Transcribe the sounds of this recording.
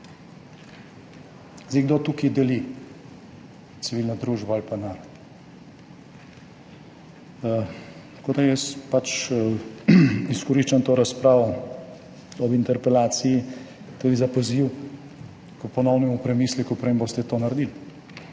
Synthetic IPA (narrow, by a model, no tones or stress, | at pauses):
ziɡd̪ot̪uːkid̪ɛli | t̪siʋiːlnɔd̪ɾuːʒbaalpanaːɾɔt̪ | kod̪ajɛspat͡ʃ | iskɔɾiʃt͡ʃant̪oːɾaspɾaːʋɔ | ɔbint̪ɛɾpɛlaːt̪siji | t̪uːd̪izapɔziw | kəpɔnɔwnɛmupɾɛmiːslikupɾembost̪ɛt̪oːnaɾd̪il